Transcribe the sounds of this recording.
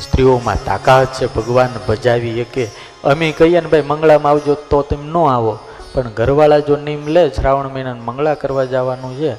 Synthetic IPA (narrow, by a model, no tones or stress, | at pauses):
st̪ɾiomã̰t̪a̰kaɦət̪̚t͡ʃʰebʱəɡʋanbəd͡ʒaʋieke | əmĩkəɦijanebʱajməŋɡɭamãaʋd͡ʒot̪ot̪emnõaʋo | pəɳɡʱəɾʋaɭad͡ʒonimlet͡ʃʰɾaʋəɳminənməŋɡɭakəɾʋad͡ʒaʋanũt͡ʃʰe